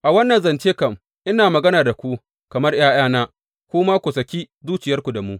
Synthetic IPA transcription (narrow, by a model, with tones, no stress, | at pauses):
ʔa˨wɐ˦nːɐ˨nzɐ˨nt͡ʃeː˦kɐ˨m | ʔɪ˦naː˨mɐ˨ɡɐ˦naː˨da˨kʷu˦ | kɐ˨mɐ˦rj̰aː˦j̰aː˦naː˦ | kʷʊː˦maː˦kʷu˨sɐ˨kʲiː˦ | zuː˦t͡ʃɪ˨jɐ˦rkʷu˨da˨mu˦ʔ